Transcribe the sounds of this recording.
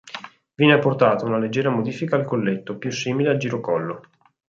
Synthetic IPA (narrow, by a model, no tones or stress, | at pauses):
vjɛːneapːort̪aːt̪ounaled͡ʒːɛːɾamod̪iːfikaːlkolːet̪ːopjusːiːmileald͡ʒiɾokɔlːo